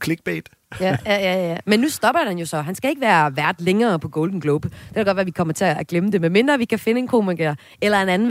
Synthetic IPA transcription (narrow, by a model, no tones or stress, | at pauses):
kʰleɡ̥b̥ḛd̥ | jæjæjæjjæmenːusd̥ɒ̽b̥ɐhænjo̝sɒ̽ɦænsɡ̥æe̝ɡ̥əʋæːɐʋæɐd̥leŋɐːpʰɒ̽ɡ̥ɔʊld̥n̩ɡ̥lob̥d̥e̝̥kʰælɡɒd̥ʋæːɐʋikʰɒ̽m̰ɐt͡sʰe̝æɡ̥leməd̥e̝menme̝nd̥ʁɐʋikʰæfe̝nəe̝nkʰo̝mæɡ̥e | elɐe̝nænn̩